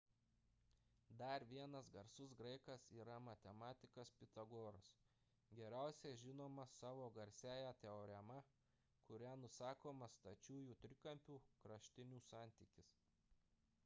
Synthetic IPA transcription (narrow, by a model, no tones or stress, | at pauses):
d̪ɐɾʋʲiɛnɐsɡɐɾsʊsɡɾɐɪkɐsiːɾɐmɐt̪ʲɛmɑːt̪ʲɪkɐspʲɪt̪ɐɡoːɾɐs | ɡʲɛɾʲæˑʊsʲɛʒʲɪnoːmɐsɑːʋoːɡɐɾʲsʲæːjæt̪ʲɛoːɾʲɛmɐ | kʊɾʲænʊsɑːkoːmɐst̪ɐt͡ʃʲuːjuːt̪ʲɾʲɪkɐmʲpʲuːkɾɐʃʲt̪ʲɪnʲuːsɑːˑnʲt̪ʲikʲɪs